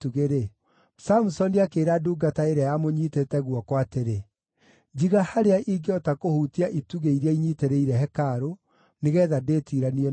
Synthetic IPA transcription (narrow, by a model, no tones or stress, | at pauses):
tuɣeɾe | samusɔndiakeːɾaduːɡataeɾajamoɲiːtetɛɣwɔkwateɾe | d͡ʑiɣahaɾeaʔiɡeɔtakohuːtiaʔituɣeiɾeaiɲiteɾeiɾɛɦɛkaɾo | neɣɛːðadeːtiɾaniɛ